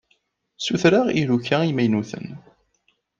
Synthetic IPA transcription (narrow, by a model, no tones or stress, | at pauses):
suθɾaʁiɾuçaimæjnuθə̰n